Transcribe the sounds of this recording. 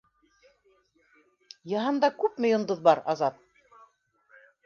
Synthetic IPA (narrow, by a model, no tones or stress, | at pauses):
jɑɦɑnd̪ɑkʉpmɘ̆jŏnd̪oðbɑɾɑ̰zɑp̚